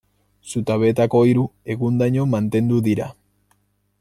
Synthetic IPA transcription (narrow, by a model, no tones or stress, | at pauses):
sut̪aβe̞t̪ako̞iɾue̞ɣund̪aɲo̞mant̪e̞nd̪uðiɾa